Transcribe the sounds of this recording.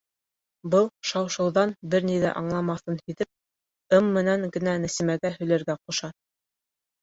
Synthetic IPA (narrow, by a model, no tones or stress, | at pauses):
bɤlˠʃɑwʃɤ̆wðɑnbɘɾniðæ̰ʔɑɴlˠɑmɑθɤnhiðɘp̚ | ɤmːɘ̆næŋɡɘ̆nænɘ̆sɘ̆mæɡæɦɵ̆jlæ̆ɾɡæqŏʃɑ